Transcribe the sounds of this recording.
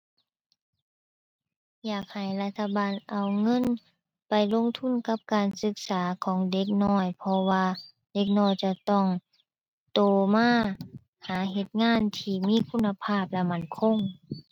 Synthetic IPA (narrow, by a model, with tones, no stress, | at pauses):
jaː˨˩k̚ha˨˩jla˧t̪ʰːa˧baː˨nʔa˨˩wŋɤ˧˥˨n | pa˨˩jlo˧˥˨ŋt̪ʰu˧˥˨nka˧˥p̚kaː˨nsɯ˧˦k̚saː˨˦kʰɔː˨˦ŋde˧˦k̚nɔː˧˥˩jpʰɔ˧waː˧ | de˧˦k̚nɔː˧˥˨jt͡ɕa˧t̪ɔ˧˩ŋ | t̪oː˨˧˩maː˧˥˨ | haː˨˦ɦe˧t̪̚ŋaː˧˥˨nt̪ʰiː˧˩miː˧˥˨kʰu˧˥nːa˧pʰaː˧˩p̚lɛ˧˥ma˧˩nkʰo˧˥˨ŋ